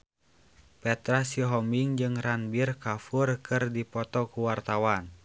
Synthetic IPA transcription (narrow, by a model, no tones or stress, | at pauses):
pɛt̪ɾasiɦɔmiŋd͡ʒɨŋranbirkafurkʰɨrdipɔt̪ɔkuwart̪awan